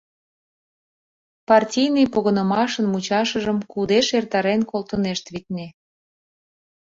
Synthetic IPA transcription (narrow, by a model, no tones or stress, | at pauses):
pɑrtʲijnɨjpoɣənəmɑʃənmut͡ɕɑʃəʒəmkud̪eʃert̪ɑɾenkolt̪əneʃt̪βit̪ne